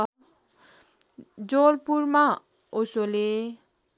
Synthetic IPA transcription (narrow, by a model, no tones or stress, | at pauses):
d͡zolpuɾma | osole